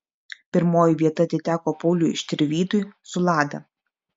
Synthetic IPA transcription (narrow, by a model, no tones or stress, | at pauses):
pʲɪɾmoːjɪʋʲiɛt̪ɐɐt̪ʲɪt̪ʲæːkoːpɔʊlʲʊːɪ̰ʃʲt̪ʲɪɾʲʋʲiːt̪ʊjsʊlˠɑːd̪ɐ̰